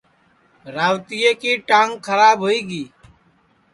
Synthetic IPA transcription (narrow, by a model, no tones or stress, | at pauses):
ɾaːʋt̪ɪjeːkiːʈãːŋɡkʰəɾaːbɦoːiːɡiː